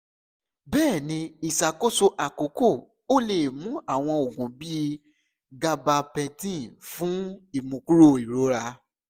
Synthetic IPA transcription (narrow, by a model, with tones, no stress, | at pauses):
bɛː˦˨nĩ˧i˨sa˨ko˦so˧ʔa˨ko˨˦ko˦˨ | o˦le˨mũ˨˦a˦˨w̃ɔ̃˧o˨ɡũ˨bi˦ | ɡa˧ba˧pɛ̃˧tĩ˦˨fũ˨˦i˦˨mũ˨ku˦ɾo˦˨i˨ɾo˨˦ɾa˧